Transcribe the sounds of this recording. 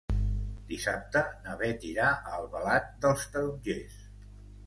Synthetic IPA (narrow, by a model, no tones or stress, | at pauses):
d̪̥isa̰p̚t̪ənəβɛt̪iɾaʔəlˠβəlat̪̚d̪əlˠst̪əud͡ʒes